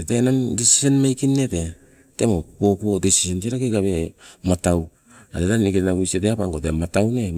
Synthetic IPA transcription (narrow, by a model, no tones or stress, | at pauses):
etenandisi̥senmajkinːe̞te | te̞mopopuodisi̥se̞nseɾakejkaβe̞mataw | atetanikenaɡuiseteapaŋɡotematawne